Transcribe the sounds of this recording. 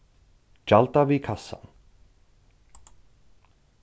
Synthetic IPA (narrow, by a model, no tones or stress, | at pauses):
d͡ʒalt̪avikʰasːa̰n